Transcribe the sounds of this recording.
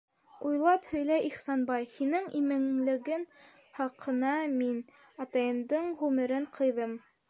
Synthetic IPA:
ujlˠɑphɵ̆jlæʔiχsɑnbɑjhinɘŋimɘ̆ŋlɘ̆ɡɘn | hɑqʰɤ̆nɑmin | ɑt̪ɑjɤ̆nd̪ɤɴʁʉmɘ̆ɾɘɴqʰɤ̆jðɤm

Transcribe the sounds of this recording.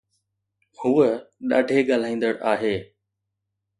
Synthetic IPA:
huːəɗa̰ːɖʱeɠaːl̤aːĩːn̆d̪əɽaːɦeː

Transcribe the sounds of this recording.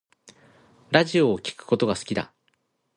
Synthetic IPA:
ɾaʑio̞ːkʲi̥kɯ̟̥ko̞t̪o̞ɡasɨ̥kʲid̪a̰

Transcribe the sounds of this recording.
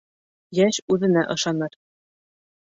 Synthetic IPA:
jæɕʉðɘ̆næʔɤ̆ʃɑnɤɾ

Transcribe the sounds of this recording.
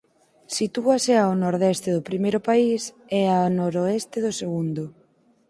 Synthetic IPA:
sit̪uasɪaonoɾðɛst̪ɪðʊpɾimejɾʊpais | eanoɾoɛst̪ɪðʊseɣund̪ʊ

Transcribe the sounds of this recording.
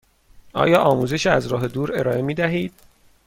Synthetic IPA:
ʔɒ̰ːjɒːʔɒːmuːze̞ʃiæzɾɒːɦe̞d̪uːɾe̞ɾɒːʔe̞miːd̪æɦiːd̪̥

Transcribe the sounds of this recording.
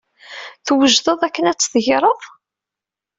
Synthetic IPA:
θwəʒðəðˤækːənæt͡sːθəʝɾˤəðˤ

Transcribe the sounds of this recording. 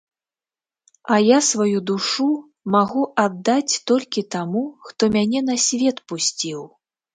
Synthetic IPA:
ɐjasvajud̪uʂu | maɣuʔad̪ːat͡sʲt̪ɔlʲkʲit̪amuxt̪ɔmʲanʲɛn̪ɐsʲvʲɛt̪pusʲt͡sʲiw

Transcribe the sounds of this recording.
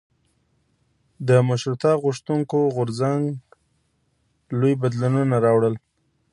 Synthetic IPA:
d̪əmaʃɾut̪ɑɣʊʂt̪uŋkoɣʊɾzaŋɡ | lojbad̪lununaɾɑwɽəl

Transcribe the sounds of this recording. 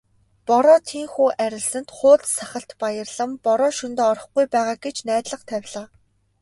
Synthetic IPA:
pɔɾɔːt̪ʰiːŋxuːʔæɾʲɪ̆ɮsə̆nt̪χʊːɮt̪saχə̆ɬt̪pajə̆rɮə̆mpɔɾɔːʃɵnt̪ɔːɔɾɞ̆χɡujpæːʁaːɡet͡ɕnæːt̪ɮə̆qt̪ʰæwʲɮaː

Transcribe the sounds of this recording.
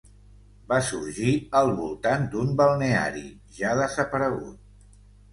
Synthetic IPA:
basuɾʒiəlˠβulˠt̪and̪umbəlˠnea̰ɾḭ | ʒaðəzəpəɾəɣṵt̪̚

